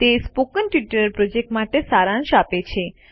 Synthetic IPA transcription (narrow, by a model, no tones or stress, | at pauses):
t̪espokənʈʋiʈəɾəɾpɾod͡ʒek̚ʈmaʈesaɾãnʃapet͡ʃʰe